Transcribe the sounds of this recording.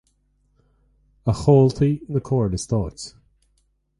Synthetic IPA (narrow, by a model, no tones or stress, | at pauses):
əxɔːlt̪ʰinəkʰɔːɹnɪst̪ʰɔːt